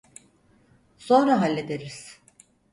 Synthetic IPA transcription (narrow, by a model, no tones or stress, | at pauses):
so̞nɾaɦalʲːed̪eɾiz̥